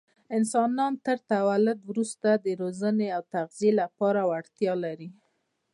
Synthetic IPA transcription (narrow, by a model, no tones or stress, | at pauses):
ɪnsɑnɑnt̪əɾt̪awalʊd̪wɾust̪ad̪əɾozəneawt̪aɣzijelapɑɾawaɽt̪jɑlaɾi